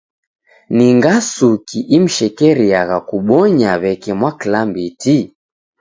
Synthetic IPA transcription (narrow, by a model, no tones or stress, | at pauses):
niŋɡasukiʔim̩ʃɛkɛɾiaɣakuɓɔɲaβɛkɛmwaklambiti